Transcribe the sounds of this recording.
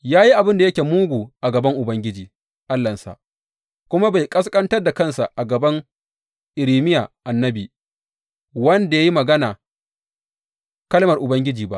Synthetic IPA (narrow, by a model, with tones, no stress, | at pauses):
jaː˦ji˦ʔa˨bɪ˦nda˨jɐ˦kʲeː˨muː˦ɡʷuː˨ʔa˨ɡɐ˨bɐ˦ŋʔʊ˨bɐ˦ŋɡʲɪ˦d͡ʒiː˨ | ʔa˦lːɐ˨nsa̰˨ʔ | kʷʊ˦ma˦ba˨jkʼɐ˦skʼɐ˦ntɐ˦rda˨kɐ˦˨nsa˨ʔa˨ɡɐ˨bɐ˦ŋ | ʔɪ˨ɾiː˨˦mɪ˦jaː˨ʔa˨nːɐ˦biː˨ | wɐ˦nda˨ja˦ji˦mɐ˨ɡɐ˦naː˨ | kɐ˦lmɐ˨rʔʊ˨bɐ˦ŋɡʲɪ˦d͡ʒiː˨ba˦ʔ